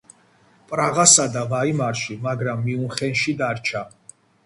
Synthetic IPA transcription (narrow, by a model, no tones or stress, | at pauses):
pʼɾaʁasad̪avaimaɾʃimaɡɾamːiunχɛnʃid̪aɾt͡ʃʰa